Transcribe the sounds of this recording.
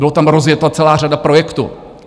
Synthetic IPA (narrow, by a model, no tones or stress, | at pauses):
ɪlot̪amɾozjɛt̪lat͡sɛlaːradapɾo̞jɛkt̪ṵ